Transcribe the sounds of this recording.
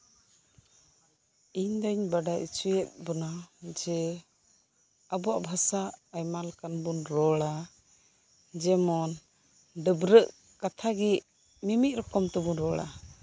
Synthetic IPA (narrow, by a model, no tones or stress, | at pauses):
iɲd̪əɲbaɖaʔḭt͡ʃujɛt̪̚bɔnad͡ʒɛ | abɔaʔbʱasaajmalkanbunɾɔɭa | d͡ʒɛmɔn | ɖəbɾəʔ | kat̪ʰaɡɛʔ | mimiʔ̚ˀɾɔkɔmt̪ɛbunɾɔɽa̰